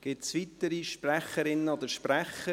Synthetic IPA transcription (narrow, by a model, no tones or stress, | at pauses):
ɡ̥ɪt̪sʋit̪əɾiʃpræχəɾɪnːəɔd̪əʃpræχə